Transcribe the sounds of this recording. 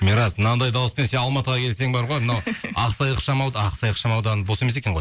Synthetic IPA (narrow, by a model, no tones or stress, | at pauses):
meɾɑznɑnd̪ɑjd̪ɑwʊspe̞nse̞nɑlˠmɑt̪əʁɑkʲʰe̞lse̞ŋbɑɾʁojmnwɑqsɑjəqʃɑmɑwd̪ɑqsɑjəqʃɑmɑwd̪ɑnəbo̞semesekʲe̞ɴʁo̞j